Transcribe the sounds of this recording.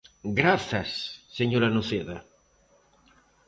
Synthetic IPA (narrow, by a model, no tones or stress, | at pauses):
ɡɾaθɐsːeɲoɾanuθeða